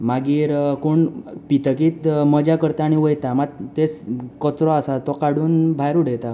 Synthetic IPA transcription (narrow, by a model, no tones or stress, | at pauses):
maɡiːɾkoɳpit̪əkiːt̪məd͡ʑakəɾt̪aːɽ̃iʋəjt̪amat̪et͡skɔt͡sɾɔasat̪ɔkaɽ̤uːnbʱajɾuɽet̪a